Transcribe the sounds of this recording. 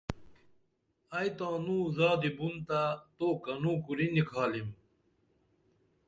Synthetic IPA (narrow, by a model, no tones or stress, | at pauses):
ajt̪ãːnũːzaːd̪ibunt̪at̪oːkɐnũːkuɾinikʰaːlim